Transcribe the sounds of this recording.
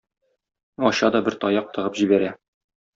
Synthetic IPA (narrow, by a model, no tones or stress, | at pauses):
ɒɕɑd̪ɒbɘɾt̪ɒjɑq̚t̪ɤ̆ʁɤpʑibæɾæ